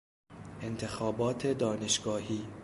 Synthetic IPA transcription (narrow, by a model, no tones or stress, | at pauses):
ʔe̞nt̪ʰe̞xɒːbɒːt̪ʰed̪ɒːne̞ʃɡ̥ɒːhiː